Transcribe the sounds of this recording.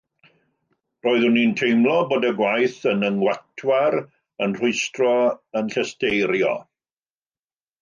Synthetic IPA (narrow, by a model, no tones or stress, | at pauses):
roːɨðʊnintʰejmlˠɔboːdəɡwajθənəŋwatʰwaɾ | ənr̥ʊɨstrɔənɬəstejɾjɔ̰